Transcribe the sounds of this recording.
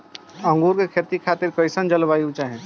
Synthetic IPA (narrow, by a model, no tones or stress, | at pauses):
ə̃ŋɡuɾkekʰet̪ikʰat̪iɾkəɪsənd͡ʒəlbajut͡ʃaɦɛ̃